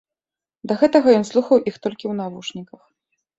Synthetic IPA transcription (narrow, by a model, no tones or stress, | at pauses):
d̪ɐɣɛt̪ɐɣɐjɔnslˠuxɐwʔixt̪ɔlʲkʲiwnavuʂnʲikɐx